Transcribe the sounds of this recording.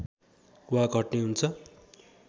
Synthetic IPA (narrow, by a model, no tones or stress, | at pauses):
waɡʱʌʈneɦunt͡sʰʌ